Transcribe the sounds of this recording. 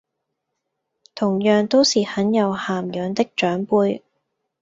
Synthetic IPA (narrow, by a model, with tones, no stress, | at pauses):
t̪ʰʊ˨˩ŋjœː˨˩ŋt̪o˥wsiː˨hɐ˨˥njɐ˨˧whaː˨mjœː˨˧ŋt̪ɪ˥k̚t͡ʃœː˨˥ŋpuː˧j